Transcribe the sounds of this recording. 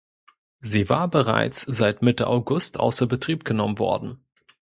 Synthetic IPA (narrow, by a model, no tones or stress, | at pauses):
ziːvaːɐbəʁa̰ɪt͡sz̥aɪtmɪtəʔa̰ʊɡʊstʔa̰ʊsɐbətʁ̥iːp̚ɡ̥ənɔmənvɔ̰ɐdn̩